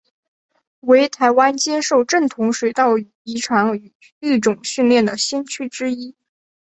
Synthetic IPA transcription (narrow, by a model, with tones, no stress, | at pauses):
we˧˥ɪt̪ʰa˧˥ɪwa˥nt͡ɕjɛ˥ʂo˥˧ʊʈ͡ʂə˥˩nt̪ʰʊ˧˥ŋʂwe˧˥ɪt̪ɑ˥˩ʊy˨˩i˧˥ʈ͡ʂʰwɑ˧˥ŋy˨˩ | y˥˩ʈ͡ʂʊ˨˩ŋɕy˥˧nljɛ˥˩nd̪ə˩ɕɛ˥nt͡ɕʰy˥ʈ͡ʂɻ̩˥i˥